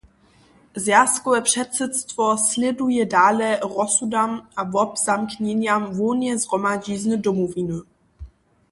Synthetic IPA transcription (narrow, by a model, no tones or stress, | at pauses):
zjaskɔvɛpʂɛt̪sɛt̪st̪vɔslɛdujɛdaːlɛɾɔsudamavɔbzamkɲɛɲamvɔɲɛzɦrɔmad͡ʑiznədɔmɔvinɨ